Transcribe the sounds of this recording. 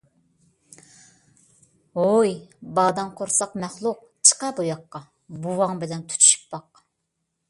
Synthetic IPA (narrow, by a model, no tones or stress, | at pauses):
ojbɑːd̪ɑnqʰoɾsɑqmɛχlˠʊq | t͡ʃʰə̥qɑbujɑqːɑ | buwɑŋbɪlɛnt̪ʰy̥t̪ʰy̥ʃy̥pːɑq